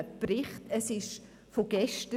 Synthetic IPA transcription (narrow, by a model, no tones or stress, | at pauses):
əpɾɪχtəsɪʃ | foɡ̥ɛʃtə